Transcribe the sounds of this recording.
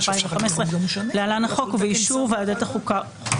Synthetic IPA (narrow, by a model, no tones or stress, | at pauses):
pajĩveχamesʁelealanaχokuvejiʃuvad̪et̪aχuka